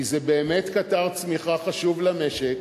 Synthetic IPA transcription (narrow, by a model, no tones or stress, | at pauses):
izebeːmetkataʁt͡smiχaχaʃuvlameʃek